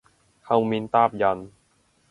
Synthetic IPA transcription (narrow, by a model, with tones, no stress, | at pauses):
kʰa˧wmi˧nt̪aː˥˩p̚ja˧n